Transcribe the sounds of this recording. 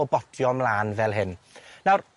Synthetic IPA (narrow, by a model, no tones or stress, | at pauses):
ɔbɔtʰjɔmlaːnvɛlˠɦɪnnawr